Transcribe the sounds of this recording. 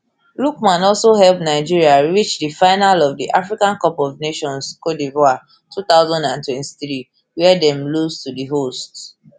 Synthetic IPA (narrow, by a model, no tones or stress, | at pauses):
lukmãnɔlsoɦɛlpnaɪd͡ʒiɹiaɹit͡ʃdifaɪnalɔvdiʔafɹikãnkɔpɔvneʃɔ̃nskɔdivɔa | tʰuθaʊzɔ̃ndãntwɛ̃nti̥θɹi | wɛdɛ̃mlustudiɦost